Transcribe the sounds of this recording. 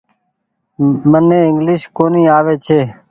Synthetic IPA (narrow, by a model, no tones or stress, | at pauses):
mənẽːɪŋɡlɪʃkoːniːaːʋeːt͡ʃʰeː